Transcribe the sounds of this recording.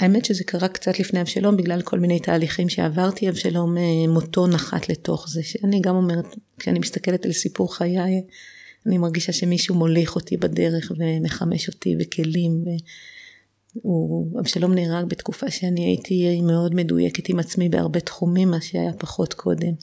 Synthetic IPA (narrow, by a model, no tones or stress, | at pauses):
aeme̞tʃeze̞kaʁakt͡satlifnejavʃalo̞mbiɡlalkʰo̞lmine̞jtaːliχimʃeavaʁtiavʃalo̞memoto̞naχa̰tle̞to̞χze̞ʃeaniɡamo̞meʁetkʃeanimist̪ake̞letalsipuʁχajaj | animaʁɡiʃaʃe̞miʃumoliχo̞tibade̞ʁe̞χve̞meχame̞ʃo̞tḭvekʰe̞limve | uavʃalo̞mneːʁaɡbetkufaʃeaniajḭtʰimeo̞dme̞dṵjḛke̞timat͡smibea̰ʁbe̞tχumimːaʃea̰japaχo̞tkʰo̞de̞m